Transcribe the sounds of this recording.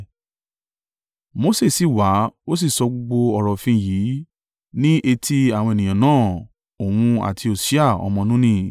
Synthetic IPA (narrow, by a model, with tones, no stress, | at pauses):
mo˧˦se˦˨si˦˨wa˨˦o˦s̬i˦˨sɔ˧ɡ͡bo˧ɡ͡bo˧ɔ˨ɾɔ˨fĩ˧ji˨˦ | nĩ˦ʔe˧tʰi˦a˦˨w̃ɔ̃˧e˨nĩ˨ã˨nãː˦˨ | o˨wũ˧a̰˨tʰi˧o˨si˨˦a˦˨ɔ̰˧mɔ̃˧nũ˦nĩ˧